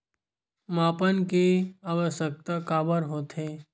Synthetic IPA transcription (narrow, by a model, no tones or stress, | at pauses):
maːpənkeaːʋəʃək̚t̪akaːbəɾɦoːt̪ʰeː